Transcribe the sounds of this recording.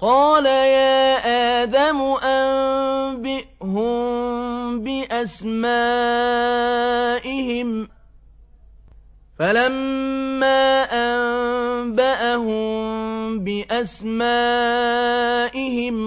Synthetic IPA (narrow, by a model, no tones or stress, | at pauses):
qɑːlajaːʔaːd̪amʊʔambɪʔɦʊm | bɪʔasmaː | ʔɪɦɪm | falamːaːʔammbaʔaɦʊmbɪʔasmaː | ʔɪhɪm